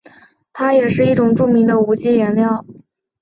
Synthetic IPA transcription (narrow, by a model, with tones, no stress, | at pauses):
t̪ʰa˥jɛ˨˩ʂɻ̩˥˧i˥˩ʈ͡ʂʊ˨˩ŋʈ͡ʂu˥˩mi˧˥ŋd̪ə˧u˧˥t͡ɕi˥˩ɥɛ˧˥nljɑ˥˩ʊ